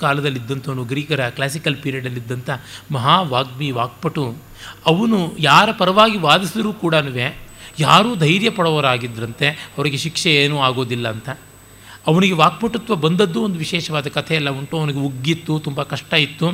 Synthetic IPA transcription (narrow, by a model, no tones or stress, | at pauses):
kaːlɐd̪ɐlːid̪ːɐnt̪ɐːnuɡɾiːɡɐɾɐklaːs̬ikɐlpiːɾijɐɖɐlːid̪ːɐnt̪ɐmɐɦaːʋaːɡ̚miʋaːk̚pɐʈu | ɐʋɐnujaːɾɐpɐɾɐʋaːɡiʋaːd̪isid̪ɐɾuːkuːɽɐnuʋeːjaːɾuːd̪ʱɐjɾjɐpɐɽɔːʋɐɾaːɡid̪ɾɐnt̪e̞ɐʋɐɾiɡeʃikʂɛeːnuːaːɡo̞ːd̪ilːɐːnt̪ɐ | ɐʋɐniɡeʋaːk̚pɐʈːut̪ːʋɐbɐnd̪ɐd̪ːuond̪uʋiʃɛːʃɐʋaːd̪ɐkɐt̪ʰɛɛlːɐuɳʈuɐʋɐniɡeuɡːit̪ːut̪umbɐkɐʂʈaːjit̪ːu